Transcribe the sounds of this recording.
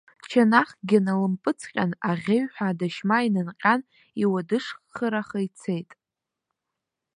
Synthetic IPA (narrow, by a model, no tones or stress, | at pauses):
t͡ʃʰanaχɡʲɪnalɨmpʼɨt͡sʰqʲʼanaʁʲeɥħʷᶣadaʃmainɨnqʲʼan | iwadɨʂχːəɾaχait͡sʰejtʼ